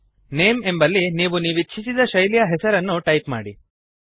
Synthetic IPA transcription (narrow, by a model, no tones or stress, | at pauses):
ne̞ːmembɐlːiniːʋuniːʋit͡ʃːʃʰisid̪ɐʃɐjlijɐɦɛsɐɾɐnːuʈɐjpma̰ːɽḭ